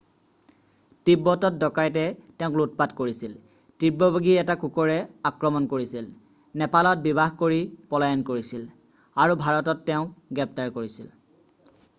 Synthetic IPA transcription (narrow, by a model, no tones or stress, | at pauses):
tibːɔtɔt̚dɔkajtɛtɛʊ̃klut̚patkoɹisil | tibːɔbaɡiɛtakukɔɹɛakɹɔmɔnkoɹisil | nɛpalɔt̚bibaxkoɹipɔlajɔnkoɹisil | aɹubʱaɹɔtɔtːɛʊ̃ɡɹɛp̚taɹkoɹisil